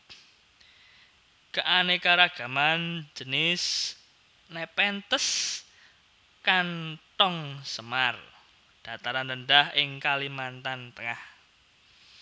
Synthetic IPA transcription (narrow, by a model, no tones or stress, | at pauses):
kəʔanekaɾaɡ̥a̤mand͡ʒə̤nɪs | nɛpɛnt̪əs | kant̪ɔŋsəmar | d̥a̤t̪aɾanləndahʔɪŋkalimant̪ant̪əŋah